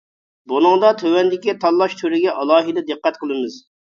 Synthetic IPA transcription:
bunɨŋd̪ɑt̪ʰøwɛnd̪ɪkʲit̪ʰɑlˠːɑʃt̪ʰyɾɪɡʲɛʔɑlˠɑːɦid̪ɛd̪ɨqːɛt̪qʰəlˠɨmɨz

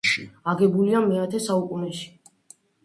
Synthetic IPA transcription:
ʃḭaɡɛbuliamɛat̪ʰɛsaukʼunɛʃi̥

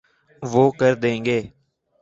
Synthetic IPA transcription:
ʋoːkəɾd̪ẽːŋɡeː

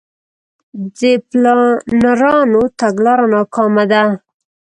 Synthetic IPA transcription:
d̪eplnaɾɑnot̪aɡlɑɾanɑkɑmad̪a

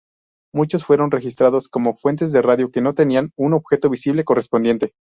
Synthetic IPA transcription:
mut͡ʃo̞sfwe̞ɾo̞nre̞xist̪ɾaðo̞sko̞mo̞fwe̞nt̪ezðeraðjo̞ke̞no̞t̪e̞nianuno̞βxe̞t̪o̞βisiβle̞ko̞respo̞nd̪je̞nt̪e

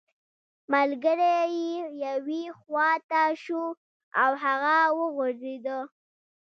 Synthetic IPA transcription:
malɡəɾejejawixwɑt̪aʃu | awɦaɣawəɣʊɽed̪ə

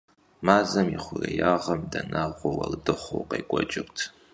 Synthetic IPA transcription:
maːzɐmiχʷʊrejaːʁɐmdɐnaʁʷɔwɐ̰ldɨχʷo̰wqejkʷʼɔt͡ʃʼɪrtʰ

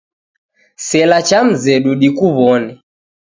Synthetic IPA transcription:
sɛlat͡ʃam̩zɛɗuɗikuβɔnɛ

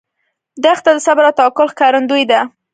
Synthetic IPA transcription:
d̪axt̪ad̪əsabɾat̪ɑkʊlxkɑɾand̪ujd̪a

